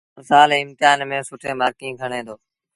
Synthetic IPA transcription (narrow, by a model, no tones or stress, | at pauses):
saːleːɪmt̪ɪjaːnmẽːsʊʈʰẽːmaːkĩːɡʱəɳẽːd̪oː